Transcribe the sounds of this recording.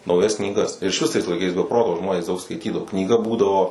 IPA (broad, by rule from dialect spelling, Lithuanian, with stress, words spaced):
nɐʊˈjɛs knʲiːˈɡɐs ɪr ɪʃʲˈʋʲɪs tɐɪs lˠɐɪˈkɐɪs bʲɛ ˈproːtoː ˈʒmoːnʲeːs ˈdɐʊk skɐɪˈtʲiːdɐʋoː knʲiːˈɡɐ ˈbuːdɐʋoː